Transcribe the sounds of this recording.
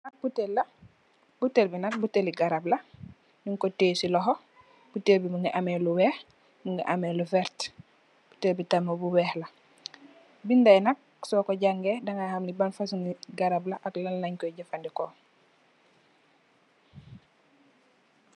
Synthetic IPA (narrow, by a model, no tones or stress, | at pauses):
nak̚butelːɐ | butelbinɐk̚buteliɡaɾablɐ | nuŋkɔteːsilɔɦo | b̥utelbimuŋɡiʔameːluwɛːh | muŋɡḭʔamelufɛɾt | b̥utelbitamabuwɛːhla | bindajnɐk̚ | sɔːkɔɟaŋɡedaŋahamlibanfasuŋiɡaɾablaʔaklalnaɲkɔjɟafandikɔ